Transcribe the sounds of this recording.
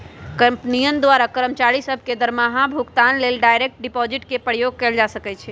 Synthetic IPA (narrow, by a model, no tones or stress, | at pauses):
kəmpnijənd̪waɾakəɾəmt͡ʃaɾisəbʱked̪əɾmaɦãbʱukt̪anlelɖajɾek̚ʈ̚ɖipɔd͡ʒiʈkepəɾjoɡ̚kɛld͡ʒasəkɛt͡ʃʰɛ